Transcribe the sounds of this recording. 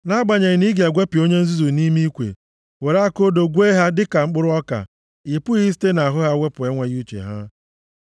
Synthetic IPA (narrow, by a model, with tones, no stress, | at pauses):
na˦ɡ͡ba˨ɲe˨ɲɪ˨ni˦ɡja˨ɡʷe˦pi˨o˦ɲe˦n̩˦zu˦zu˨ni˦mi˦kʷḛ˨ | we˨ɾa˦ko˦do˨ɡʷu˦e˦ɦa˦dɪ˦ka˨ŋ͡m̩˦k͡pʊ˦ɾʊ˦ɔ˦ka̰˨ | i˨pʊ˦ɣi˦s̬i̥˦te˦na˨a˨ɦʊ˦ɣa˦wʷe˦pʊ˨e˦ŋʷe˨ɣu˦t͡ʃḛ˨ɦa̰˦